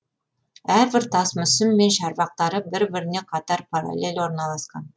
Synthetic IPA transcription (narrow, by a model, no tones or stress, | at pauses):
æɾbɪɾt̪ʰɑsmʏsɪmːe̞nʃɑɾbɑq̚t̪ɑɾəbɪɾbɪɾɪne̞qʰɑt̪ɑɾpʰaɾa̰lʲe̞lʲwo̞ɾnɑlˠɑsqɑ̰n